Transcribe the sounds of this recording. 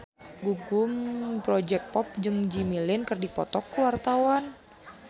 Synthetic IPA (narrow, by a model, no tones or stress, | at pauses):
ɡuɡʊmpɾɔd͡ʒɛk̚pɔp̚d͡ʒɨŋd͡ʒimilɪnkərdipɔ̰t̪ɔkːəwart̪awan